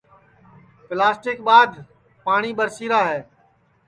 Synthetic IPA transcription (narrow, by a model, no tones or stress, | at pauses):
plaːsʈɪkɓaːd̪ | paːɳ̃iːɓəɾsiːɾaːɦɛː